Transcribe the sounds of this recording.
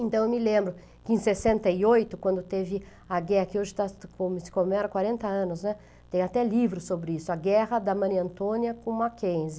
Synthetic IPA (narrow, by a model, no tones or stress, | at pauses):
ẽnt̪ɐ̃w̃ewmɪlẽmbɾʊ | kɪẽj̃sesẽnt̪ɐiojt̪ʊkwɐ̃nd̪ʊt̪evɪ | ɐɡɛhɐkɪoʒɪt̪akõmɪsɪ̥komɛɾɐkwaɾẽnt̪ɐɐ̃nʊznɛ | t̪ẽjat̪ɛlivɾʊsobɾɪisʊɐɡɛɦɐd̪ɐmɐ̃niɐ̃nt̪õniɐkõmakẽj̃zɪ